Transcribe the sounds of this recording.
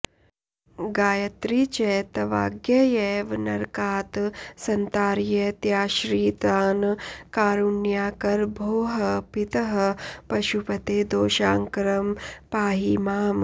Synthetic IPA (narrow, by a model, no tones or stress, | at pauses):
ɡaːjɐt̪ɾiːt͡ʃɛːt̪ɐʋa̰ːɡjɐjɛːʋnɐɾkaːt̪sɐnt̪aːɾjet̪jaːʃɾiːt̪aːnkaːɾunjaːkɐɾbʱoːɦɐpit̪ɐɦɐpɐʃupɐt̪eːd̪oːʃaːŋkɾɐmpaːɦimaːm